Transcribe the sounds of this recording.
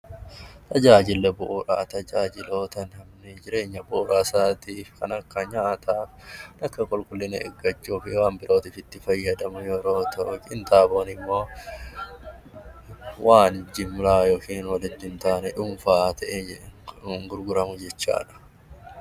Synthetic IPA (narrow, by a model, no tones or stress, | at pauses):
t̪ʰɐd͡ʒaːd͡ʒɪlːɛbʊʔːɾaːt̪ɐd͡ʒaːd͡ʒɪlo̞ːt̪ɐnhɐmnɪd͡ʒɪɾe̞ːɲːɐbʊʔːɾaːsaːt̪iːfkɐnɐkːɐɲaːʔt̪ʰaːfnɐkːɐkʼɔlkʼʊlːɪnɐʔɛ̰ɡːɐt͡ʃːuːfɪwaːnbɪɾʔo̞ːt̪iːfɪt̪ːɪfɐjːɐd̪ɐmʊjɔɾo̞ːt̪ʰɐʔʊkʼɪnt̪aːbo̞ːnɪmːo̞ː | wʔaːnɪd͡ʒɪmʊlaːjoːkiːnwɐlɪt̪ːɪnt̪aːnɛᶑʊmfaːt̪ʰɐʔed͡ʒŋɡʊɾɡʊɾɐmʊd͡ʒɛt͡ʃːa̰ːᶑɐ̥